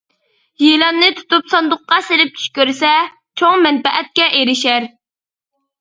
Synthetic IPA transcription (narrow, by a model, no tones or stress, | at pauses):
jelˠɑnːɨt̪ʰu̥t̪upsɑnd̪ʊqːɑselɪp̚t͡ʃ̪ʰy̥ʃkʲøɾsɛ | t͡ʃʰoŋmɛnbɛʔɛt̪̚kʲɛʔeɾɪʃæɾ